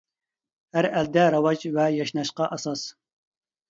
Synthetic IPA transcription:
hæɾæld̪ɛɾɑwɑd͡ʒwɛjɑʃnɑʃqɑʔɑsɑs

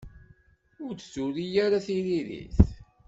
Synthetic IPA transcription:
ʊɾt͡sːuɾijaɾaθiɾiðḭθ

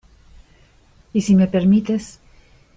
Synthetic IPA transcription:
isimepeɾmit̪es

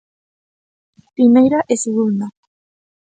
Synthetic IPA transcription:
pɾimejɾaʔeseɣund̪a

